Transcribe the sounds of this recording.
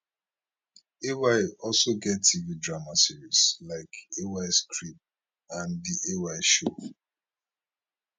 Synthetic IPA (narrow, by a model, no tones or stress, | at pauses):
ewaɪɔlsoɡɛtːividɹamasiɹislaɪkewaɪskɹip̚ | ãndiʔewaɪʃo